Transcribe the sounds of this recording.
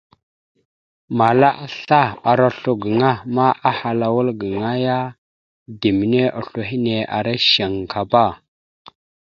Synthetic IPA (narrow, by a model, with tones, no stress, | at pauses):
ma˨la˦ʔa˦ɬa˦˨a˨ɾa˦ɬu˨ɡə˨ŋa˦ma˦ʔa˦ha˨la˨wu˦lɡə˨ŋa˦ja˦ | di˨mi˨ne˦ʔa̰˨ɬu˨ɦi˦ne˨a̰˨ɾa˦ʃa˨ŋ˨kʰa˨ba˦˨